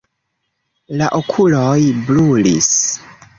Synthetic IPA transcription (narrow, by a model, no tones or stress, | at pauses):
laʔokʰulojblulḭs